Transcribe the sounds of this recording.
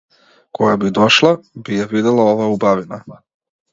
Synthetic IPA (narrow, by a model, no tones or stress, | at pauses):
kɔɡabid̪ɔʃlˠabijavid̪ɛlˠaɔvaubavina